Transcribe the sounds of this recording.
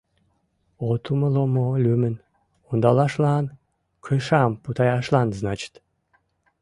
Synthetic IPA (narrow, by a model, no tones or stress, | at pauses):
ot̪uməlomolʲymən | und̪ɑlɑʃlɑn | kʰəʃɑmput̪ɑjɑʃlɑnznɑt͡ɕə̥t̪